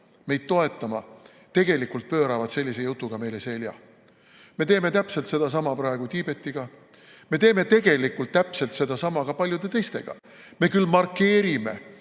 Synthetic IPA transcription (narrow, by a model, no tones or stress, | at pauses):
me̞jd̪̥̚t̪o̞e̞t̪ːˑɑmɑ̰ | t̪e̞ɡ̥e̞likːult̪̚pø̞ːɾɑvɑd̪̥se̞lʲːise̞jut̪ːˑuɡ̥ɑme̞jle̞se̞lʲjɑ̰ | me̞t̪e̞ːme̞t̪æpse̞lt̪se̞d̪̥ɑs̬ɑmɑpɾɑe̞ɡ̥ut̪ʲiːb̥e̞t̪ːiɡ̥ɑ | me̞t̪e̞ːme̞t̪e̞ɡ̥e̞likːˑult̪̚t̪ːæpse̞lt̪se̞d̪̥ɑsɑmɑɡ̥ɑpɑlʲjud̪̥e̞t̪e̞jst̪e̞̰ɡ̥ɑ̰ | me̞kylːmɑrkːe̞ːɾime̞̰